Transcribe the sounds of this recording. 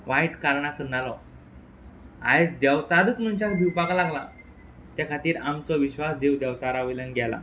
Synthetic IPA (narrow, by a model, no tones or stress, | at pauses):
ʋajʈkaɾɳakənːalɔ | a̰ed͡zd̪jɛʋt͡sad̪ət͡sm̤ənt͡ɕakd̪iwpakalaɡla | t̪jakʰat̪iːɾamt͡sɔʋiɕʋasd̪ewd̪jɛwt͡saɾaʋilənɡʱjɛla̰